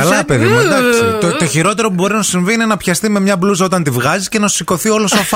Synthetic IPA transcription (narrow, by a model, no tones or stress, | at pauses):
ɐlɐpeðimɐd̪ɐksit̪ot̪oçiɾo̞t̪e̞ɾo̞pubo̞ɾinɐsosiɱviine̞nɐpçɐst̪ime̞mɲɐblusɐo̞t̪ɐnt̪ivɣɐzisce̞nɐ̥siko̞θio̞losof